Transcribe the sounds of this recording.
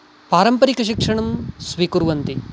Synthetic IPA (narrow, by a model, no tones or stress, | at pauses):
paːɾɐmpɐɾikɐʃikʂɐɳɐmsʋikuɾʋɐnt̪i